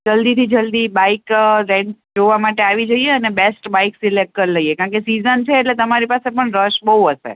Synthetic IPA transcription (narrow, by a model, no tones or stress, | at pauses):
d͡ʒəld̪it̪ʰid͡ʒəld̪ibaikɾeɳʈsd͡ʒoʋamaʈeaʋid͡ʒəjeənebesʈbaiksilek̚kəɾləijekãɳkesizənt͡ʃʰeːʈlet̪əmaɾipasepəɳɾəʃbəɦuɦəʃḛ